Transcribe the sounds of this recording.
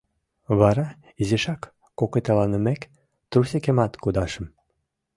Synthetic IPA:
βɑɾɑ | izeʃɑkː | oket̪ɑlɑnə̆mæk | t̪rusekemɑt̪kud̪ɑʃə̆m

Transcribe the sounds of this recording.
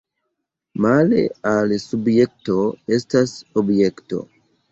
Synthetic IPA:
malḛalsubjek̚toestasobjekto̰

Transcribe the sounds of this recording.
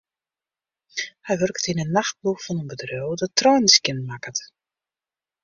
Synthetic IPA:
hɛjʋørktinənːaxt̚bluxfɔnənbədrøwdɔtːrɔjnskənmakət

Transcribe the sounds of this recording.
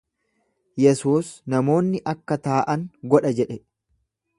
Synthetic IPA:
jɛsuːsnɐmo̞ːnːɪʔɐkːɐt̪aːʔɐŋɡɔᶑɐd͡ʒɛᶑɛ

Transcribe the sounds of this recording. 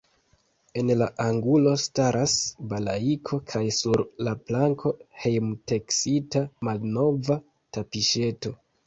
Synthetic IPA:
e̞nlaʔaŋɡulo̞staɾʔasbalaikʰo̞kʰajsuɾlaplaŋkʰo̞he̞jmteksitamalno̞va | tapiʃe̞to̞

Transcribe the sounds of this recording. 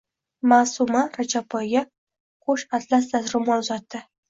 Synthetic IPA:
maːsʊmaɾat͡ʃapʰɒjɡʲa | qʰoʃat̪lasd̪asɾʊmaʊzat̪ːɪ

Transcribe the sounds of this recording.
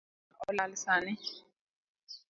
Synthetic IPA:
ɔlalisaːni

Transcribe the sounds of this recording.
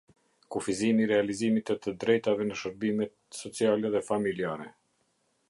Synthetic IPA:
kufizimiɾɛalizimit̪ɛt̪əd̪ɾɛjt̪avɛnəʃəɾbimɛt̪̚sɔt͡sialɛðɛfamiliaɾɛ

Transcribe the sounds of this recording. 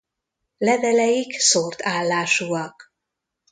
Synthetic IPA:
lɛvɛlɛjiksort̪aːlːaːʃuɒk

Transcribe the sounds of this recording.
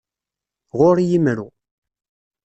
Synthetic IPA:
ʁʊɾjimɾṵ

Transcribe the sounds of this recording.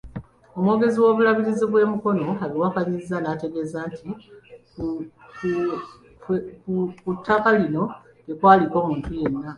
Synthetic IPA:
o̞mwo̞ːɡe̞ziwo̞ːβulaβiɾiziβwe̞ːmuko̞no̞aβiwakaɲizanate̞ɡe̞ːzaːntʰik | kukutʰːakalino̞ | ɡe̞kwaːliko̞ːmuːntuje̞nːa

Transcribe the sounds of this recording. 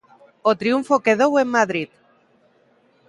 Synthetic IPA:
ot̪ɾiuɱfokeðowemːaðɾit̪

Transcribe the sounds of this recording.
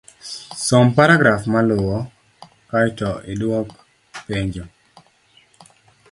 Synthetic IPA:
sɔmpaɾaɡɾafmalʊwɔ | kajtɔʔɪdwɔk | peɲd͡ʒo

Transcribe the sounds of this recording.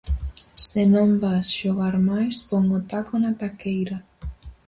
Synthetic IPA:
senõmbasʃoɣaɾmajspoŋot̪akonat̪akejɾa

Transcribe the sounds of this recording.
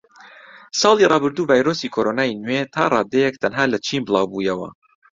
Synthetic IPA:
sɑːlˠirʔɑːbɨɾd̪uːvaːjɾosiːkʰoɾonaːinwet̪ʰa̰ːrˤɑːd̪ɛjɛk̚t̪ʰɐnɦaːlɐt͡ʃʰiːmbɨlˠɑːwbuːjɐwɐ̰

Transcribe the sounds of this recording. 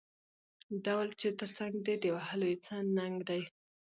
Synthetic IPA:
dawlt͡ʃet̪əɾt͡saŋɡ̚d̪ed̪əwahəlojet͡sənnaŋɡd̪aj

